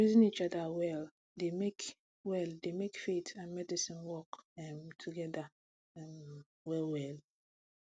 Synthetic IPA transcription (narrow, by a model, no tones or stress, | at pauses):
ɹizĩnit͡ʃɔdawɛl | demek | wɛldemekfitʰãnmɛdisĩnwɔkɛmtʰuɡɛda | m | wɛlwɛl